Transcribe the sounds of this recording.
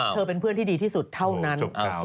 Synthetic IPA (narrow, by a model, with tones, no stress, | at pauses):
ɤː˧pe˧npʰɯ˥˩ənt̪iː˥˩diː˧t̪ʰiː˥˩su˨˩t̪ʰːa˥˩wna˦˥n